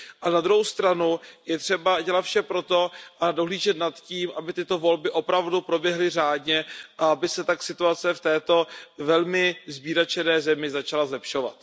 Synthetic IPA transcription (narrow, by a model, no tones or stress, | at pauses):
ʔanad̪ɾuɦowst̪ɾanujɛt̪r̝̥ɛbaɟɛlat̪fʃɛpɾo̞t̪o̞ʔado̞ɦliːʒɛt̪nat̪ciːmʔabɪt̪ɪt̪o̞vo̞lbɪʔo̞pɾavdupɾo̞bjɛɦlɪr̝aːdɲɛʔaabɪsɛt̪aksɪt̪uat͡sɛft̪ɛːt̪o̞vɛlmɪzbiːɾat͡ʃɛnɛːzɛmɪzat͡ʃalazlɛpʃo̞va̰t̪